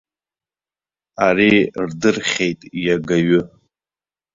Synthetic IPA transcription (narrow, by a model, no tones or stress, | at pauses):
arirdɨrχʲejtʼijaɡaɥʊ